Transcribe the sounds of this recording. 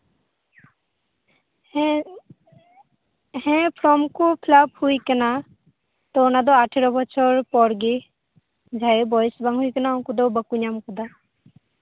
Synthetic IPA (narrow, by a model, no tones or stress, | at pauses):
hɛ̃pʰɾɔmkupʰlaphujkəna | t̪ɔnad̪ɔaʈʰeɾɔbɔt͡ʃʰɔɾpɔɽɡe | d͡ʒʱajebɔjsbaŋɦujkənaɔkud̪ɔbəkuɲamkud̪a